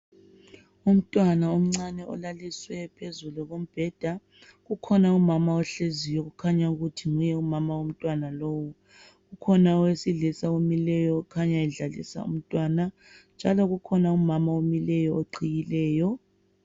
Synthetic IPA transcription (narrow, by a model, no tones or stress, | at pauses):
um̩tʼwanaom̩ŋ͡ǀanɛʔɔ̰laliswɛpʰezuluɣom̩b̥ʱɛd̥ʱa | ɣukʰɔnaumamaɔɬezijɔɣukʰaɲauɣutʰiŋujɛumamawom̩tʼwanalowu | ɣukʰɔnaɔwesiɮɛsaomilɛjɔukʰaɲaɛɮalḭsa̰ṵm̩tʼwana | nd͡ʒʱalɔɣukʰɔnaumamaomilɛjɔoǀijilɛːjɔ